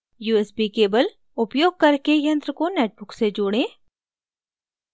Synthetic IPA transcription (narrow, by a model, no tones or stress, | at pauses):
juːesbikeːbəl | ʊpjoːɡ̚kɐɾkejɐ̃nt̪ɾəkoneːʈ̚bʊksed͡ʒoːɽẽː